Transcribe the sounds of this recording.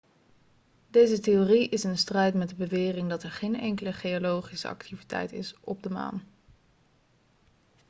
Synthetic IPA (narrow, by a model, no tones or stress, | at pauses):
dejzətejoriʔɪsənstrɛjtmɛdəbəʋɪːrɪŋdɑtɛɹχejnɛŋkələχejolowχisə̰ɑ̰ktivitɛ̰jtɪ̰sʔɔb̚dəma̰ːn